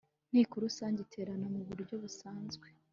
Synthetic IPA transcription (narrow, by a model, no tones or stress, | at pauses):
n̥ikuɾusaːɲɟitʰe̞ːɾanamuβuɾɟo̞βusaːnzɡwe